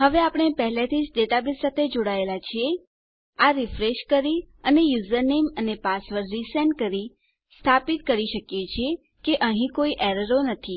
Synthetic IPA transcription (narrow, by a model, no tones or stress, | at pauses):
ɦəʋeapəɳ̃epəɦlet̪ʰid͡ʒɖeʈabisat̪ʰed͡ʒoɽaelat͡ʃʰie | aɾifɾeʃkəɾi | ənejuzəɾnemənepasʋəɾːisenkəɾi | st̪ʰapit̪̚kəɾiʃəkjet͡ʃʰie | keʔəɦĩkoiʔɛɾəɾonət̪ʰi